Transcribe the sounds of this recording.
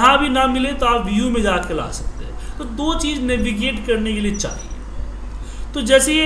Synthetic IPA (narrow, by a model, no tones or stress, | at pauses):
ɦãbʱinɐmɪlet̪oaːpʋijumẽd͡ʒaːkela̰ːsɐk̚t̪eɦɛ̃t̪od̪oːt͡ʃiːznɛʋɪɡeːʈkɐɾnekeliet͡ʃa̰ːɦḭḛ | t̪od͡ʒɛːse